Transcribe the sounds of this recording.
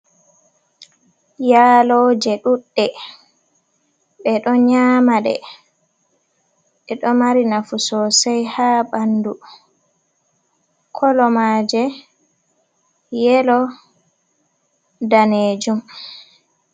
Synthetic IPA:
jaːlɔd͡ʒɛɗuɗːɛ | ɓɛɗɔɲamaɗɛ̰ | ɓɛɗɔmaɾinafusɔsajhaːɓandu | kʰɔlɔmaːd͡ʒɛ | jɛlɔ | daned͡ʒum

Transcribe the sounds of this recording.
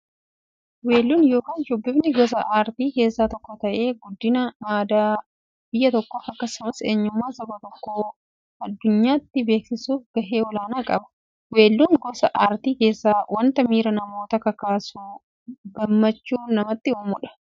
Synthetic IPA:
we̞ːlːuːnjo̞ːkaːnd͡ʒɔbːɪbnɪɡɔs̬ɐʔaːɾt̪iːke̞ːsːaːt̪ɔkːɔt̪ɐʔe̞ːɡʊd̪ːɪnɐaːd̪aː | b̥ɪjːɐt̪ɔkːɔɐkːɐsʊmɐseːɲːʊmːaːsɐbɐt̪ɔkːoː | ɐd̪ːʊɲːaːɪt̪ːɪbe̞ːksɪsuːfɡ̥ɐɦeːɔlaːnaːkʼɐbɐ̥ | we̞ːlːuːŋɡɔsɐʔaːɾt̪iːke̞ːsːaːwɐnt̪ɐmiːɾɐnɐmo̞ːt̪ɐkɐkaːsuː | ɡɐmːɐt͡ʃːuːnɐmɐt̪ːɪoːmʊᶑɐ̥

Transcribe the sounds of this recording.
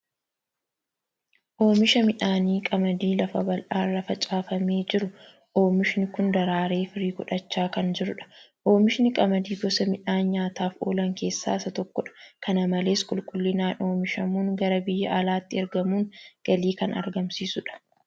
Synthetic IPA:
ʔo̞ːmɪʃɐmɪᶑaːniːkʼɐmɐd̪iːlɐfɐbɐlʔaːrːɐfɐt͡ʃʼaːfɐmeːd͡ʒɪɾʊ | ʔo̞ːmɪʃɪnɪkʊnd̪ɐɾaːɾe̞ːfɪɾiːkʊᶑɐt͡ʃːaːkɐnd͡ʒɪɾʊᶑɐ̥ʔo̞ːmɪʃnɪkʼɐmɐd̪iːɡɔsɐmɪᶑaːɲaːt̪aːfo̞̰ːlɐŋke̞ːsːa̰ːɪsɐt̪ɔkːɔᶑɐ̥kɐnɐmɐle̞ːskʼʊlkʼʊlːɪnaːno̞ːmɪʃɐmuːŋɡɐɾɐbɪjːɐʔɐlaːt̪ːɪɛɾɡɐmuːŋɡ̥ɐliːkɐnɐ̰ɾɡɐmsiːsʊᶑɐ̥

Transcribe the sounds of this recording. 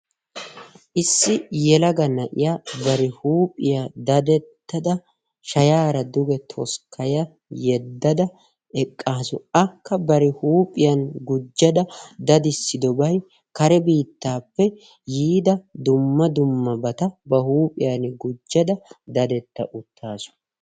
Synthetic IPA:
ʔɪsːɪjɛlɐɡɐnɐʔɪ̰jabɐɾɪhuːpʼɪjad̪ɐd̪ɛt̪ːɐd̪ɐ | ʃɐjaːɾɐd̪ʊɡɛt̪ʰɔskʰɐjɐ | jɛd̪ːɐd̪ɐ | ɛkʼːaːsʊɐkːɐbɐɾɪhuːpʼɪjɐnɡʊd͡ʒːɐd̪ɐd̪ɐd̪ɪsːɪd̪ɔbɐj | kɐɾɛbiːt̪ːaːpːɛ | jiːd̪ɐd̪ʊmːɐd̪ʊmːɐbɐt̪ɐbɐhuːpʼɪjɐnɡʊd͡ʒːɐd̪ɐd̪ɐd̪ɛt̪ːɐ̰ʔʊt̪ʰːaːsʊ̥

